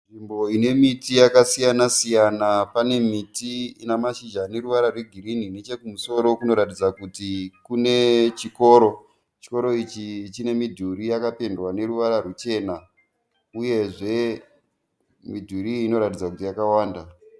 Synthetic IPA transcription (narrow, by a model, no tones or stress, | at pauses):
nʐimbo̞ine̞mitijakasijanasijanapane̞mitiinamaʃid͡ʒane̞ɾuʋaɾarweɡʱiɾinine̞t͡ʃe̞kumuso̞ɾo̞kuno̞ɾatid͡zakutikune̞t͡ʃiko̞ːɾo̞ | t͡ʃi̥ko̞ɾo̞it͡ʃit͡ʃine̞midʱuɾijakapendwane̞ɾuʋaɾarut͡ʃe̞ːna | uje̞ʐe̞ | midʱuɾiːno̞ɾatid͡zakutijakawaːnda